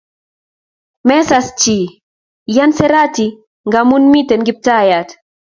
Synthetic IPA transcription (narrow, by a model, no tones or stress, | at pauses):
mɛsast͡ʃi | jansɛɾati | ŋɡamunmitɛnɡip̚tajat